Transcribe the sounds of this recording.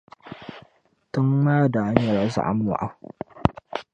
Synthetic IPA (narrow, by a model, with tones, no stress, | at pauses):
tʊ˦ŋmaː˦da˨a˦ɲja˨ɾa˨˦sa̰˨ʔa̰˦m˦a̰˨ʔa˦˨